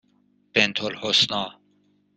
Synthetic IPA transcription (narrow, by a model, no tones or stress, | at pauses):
b̥ent̪ʰolhosnɑː